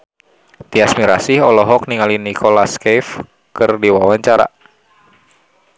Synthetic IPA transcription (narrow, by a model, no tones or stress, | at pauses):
t̪iasmiɾasihɔlɔɦɔk̚niŋalinikʰolaskɛf | kɨrdiwawaɲt͡ʃaɾa̰